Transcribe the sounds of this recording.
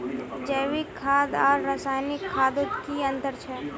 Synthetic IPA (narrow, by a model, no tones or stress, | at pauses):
d͡ʒəːʋɪkʰːaːd̪aːɾːəsaːjnɪkʰːaːd̪ot̪kiə̃nt̪əɾt͡ʃʰɛː